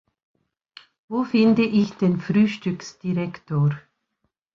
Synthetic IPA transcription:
voːfɪndəʔɪçd̥enfʁyːʃtʏksd̥iʁɛktoːɾ

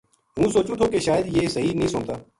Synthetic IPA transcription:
ɦũːsoːt͡ʃũːt̪ʰoːkeʃaːjəd̪jeːsəɦinəɦĩːsʊɳt̪aː

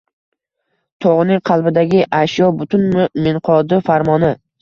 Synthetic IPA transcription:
t̪ʰoʁnɪŋqʰɑlˠbɪd̪aɡʲɪʔaʃjɒbʊt̪ʰʊnmɪnqʰɒd̪ɪfaɾmɒnɪ

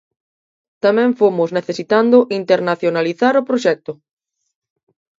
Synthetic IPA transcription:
t̪amɛ̃ɱfomʊzneθesit̪and̪ʊʔint̪eɾnaθjonaliθaɾʊpɾoʃɛk̚t̪ʊ

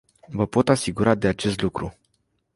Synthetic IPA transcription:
vəpo̞t̪asiɡuɾad̪e̞at͡ʃe̞st̪lukɾu

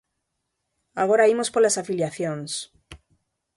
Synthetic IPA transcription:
aɣoɾaimospolasafiljaθjõŋs

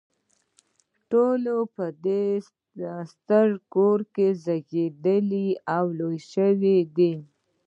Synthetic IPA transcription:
ʈolopəd̪e | əst̪əɾkoɾkezaɡed̪əliawlojʃəwid̪i

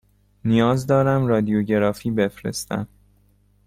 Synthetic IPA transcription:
nijɒːzd̪ɒːɾæmɾɒːd̪ijoɟe̞ɾɒːfiːbe̞fɾe̞̰st̪æ̰n̥

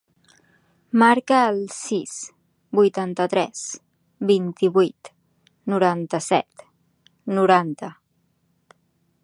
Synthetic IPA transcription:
maɾkəːlˠsis | bujt̪ant̪ət̪ɾɛz̥ | bint̪iβujt̪ | nuɾant̪əsɛ̰t̪ | nuɾant̪ə

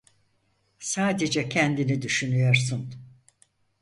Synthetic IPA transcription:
saːd̪ed͡ʒɛcʰɛnd̪inid̪yʃynyjoɾsɯn

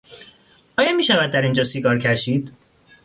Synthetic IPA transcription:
ʔɒːjɒmiːʃævæd̪d̪ːæɾind͡ʒɒːsiɡɒːɾcʰæʃiːd̪̥

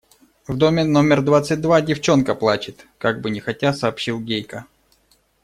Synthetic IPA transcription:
vd̪o̞mʲɪno̞mʲɪrd̪vat̪sɨt̚ʲd̪vadʲɪft͡ɕo̞nkəplˠat͡ɕɪt̪kaɡ̚bɨnʲɪxɐtʲasɐːpɕilˠɡʲejkə

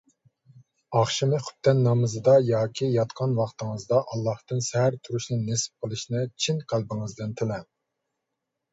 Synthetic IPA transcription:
ɑχʃɪmɨχʊ̥p̚t̪ːɛnːɑmɨzɨd̪ɑjɑːkʲʰijɑt̪qʰɑnwɑχt̪ʰɨŋɨzd̪ɑʔɑlˠːɑht̪ɨnsɛɦæɾt̪ʰuɾuʃnɪnesɪ̥p̚qəlˠɨʃnɨt͡ʃʰinqʰælˠbɪŋɨzd̪ɪnt̪ʰɪlɛ

